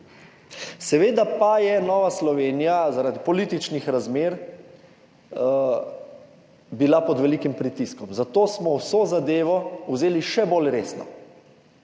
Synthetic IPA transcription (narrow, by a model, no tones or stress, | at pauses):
sɛʋeːd̪apajɛnɔːʋaslɔʋeːnijazaɾad̪ipɔliːt̪it͡ʃnixɾazmeːɾ | bilapɔd̪ʋɛlikimpɾit̪iskɔmzat̪oːsmɔwsoːzad̪eːʋɔuzeːliʃɛbolɾeːsnɔ̰